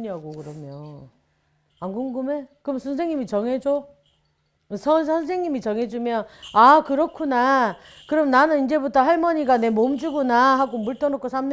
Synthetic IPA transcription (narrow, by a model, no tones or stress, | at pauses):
ɲiaɡokɯɾʌmjo | anɡuŋɡɯme̞kɯɾʌmnsʰʌns̬ʰe̞ŋɲimit͡ɕʌŋɦed͡ʑo | sʰʌnsʰʌnsʰe̞ŋɲimit͡ɕʌŋɦe̞d͡ʑumjʌnakɯɾʌkʰuna | kɯɾʌmnanɯnind͡ʑe̞butʰʌɦaɭmʌɲiɡane̞momd͡ʑuɡunaɦaɡomuɭt͈ʌnok͈ʰosʰamn